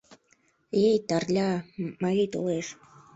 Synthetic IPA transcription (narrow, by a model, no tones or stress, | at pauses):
ejt̪ɑrlʲɑmɑɣit̪oleʃ